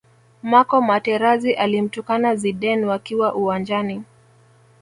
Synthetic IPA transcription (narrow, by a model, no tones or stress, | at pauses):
makɔmatɛɾaziʔalim̩tukanaziɗɛnwakiwaʔuwand͡ʒani